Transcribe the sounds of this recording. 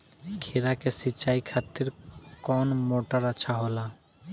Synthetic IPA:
kʰeɾakesit͡ɕajkʰat̪ːeɾkɔnmoʈaɾat͡ɕʰaɦola

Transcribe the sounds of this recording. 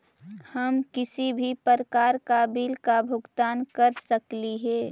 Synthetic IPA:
həmkɪsibʱipəɾkaːɾkaːbiːlkabʱʊɡt̪aːnkəɾsəkliɦɛː

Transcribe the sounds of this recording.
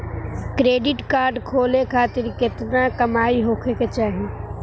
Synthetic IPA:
kɾeːɖɪʈkaːɾɖkʰoːlekʰaːt̪ɪɾkɪt̪nakɐmaːiɦoːkʰeket͡ʃaːɦẽ

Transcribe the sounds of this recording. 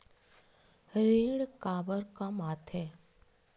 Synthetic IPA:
ɾiɽkabəɾkãmaːt̪ʰe

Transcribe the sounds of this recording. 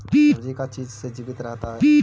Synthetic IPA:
piːd͡ʒikat͡ʃiːd͡ʒsed͡ʒiːbɪt̪ɾɛɦt̪aɦɛpiː

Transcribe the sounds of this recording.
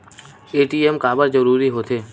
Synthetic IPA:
eːʈiemkaːbəɾd͡ʒəɾuːɾiɦoːt̪ʰeː

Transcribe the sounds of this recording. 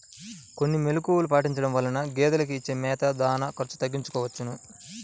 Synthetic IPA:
ko̞nːimelukuːwulupaːʈiɲt͡ʃɐɽɐmʋɐlːɐnɐɡɛːd̪ɐlɐk̬iːt͡ʃːeːmɛːt̪ɐd̪aːnɐkɐɾt͡ʃu̥t̪ɐɡːiɲt͡ʃu̥kɔːʋɐt͡ʃːɐnu

